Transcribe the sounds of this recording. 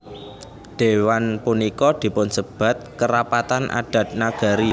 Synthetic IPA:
d̪̥e̤wanpunikɔd̪̥i̤pʊnsəb̥a̤t̪̚kəɾapat̪anʔa̰ɖ̥a̤t̪̚naɡ̥a̤ɾi

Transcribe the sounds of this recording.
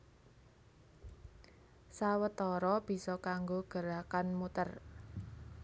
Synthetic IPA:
sawət̪ɔɾɔb̥i̤sɔkaŋɡoɡ̥ə̤ɾakanmut̪ər

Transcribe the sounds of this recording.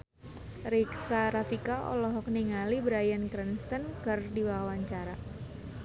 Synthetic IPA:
ɾikaɾafikaʔɔ̰lɔɦɔk̚niŋalibɾajankɾɛnst̪ənkərdiwawaɲt͡ʃaɾa

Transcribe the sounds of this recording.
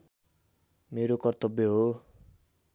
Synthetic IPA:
meɾokʌrt̪ʌbjʌɦo

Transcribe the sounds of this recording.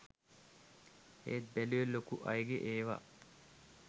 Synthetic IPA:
ḛːt̪̚bæluʋelːokuʔɐjɡeʔeːʋa̰

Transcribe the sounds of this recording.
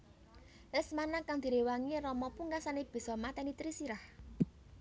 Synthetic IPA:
ɪsmanakaŋd̪̥i̤ɾewaŋirɔmɔpuŋɡasaneb̥i̤sɔmat̪ɛnit̪ɾisiɾah

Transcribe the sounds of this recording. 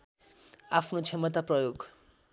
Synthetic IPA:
apʰnot͡sʰemʌt̪aprʌjoɡ

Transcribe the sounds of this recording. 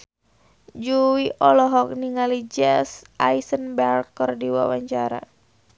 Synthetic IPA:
d͡ʒuwiʔɔlɔɦɔk̚niŋalid͡ʒɛsʔajsənbɛrkɔrdiwa̰waɲt͡ʃaɾa̰

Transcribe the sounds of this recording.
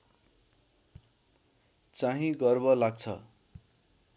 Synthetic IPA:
t͡saɦĩɡʌrbʌlaɡ̚t͡sʰʌ̰

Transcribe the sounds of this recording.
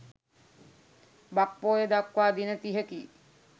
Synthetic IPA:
bak̚poːjed̪akwaːd̪inət̪iɦəki

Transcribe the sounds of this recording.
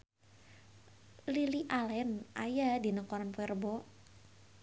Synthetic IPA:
liliʔalɛnʔa̰jadinəkɔɾanpɛrbɔ

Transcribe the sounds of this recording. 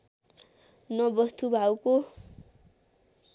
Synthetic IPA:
nʌbʌst̪ubʱawko

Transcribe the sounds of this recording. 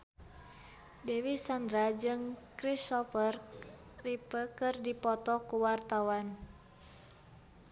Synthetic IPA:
dɛwisandɾad͡ʒɨŋkɾisɔfər | ripəkɨrdipɔt̪ɔkuwart̪awan

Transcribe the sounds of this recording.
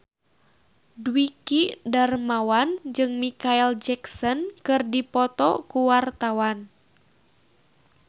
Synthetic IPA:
dwikidarmawand͡ʒɨŋmikaɛld͡ʒɛksɔnkɨrdipɔt̪ɔkuwart̪awan

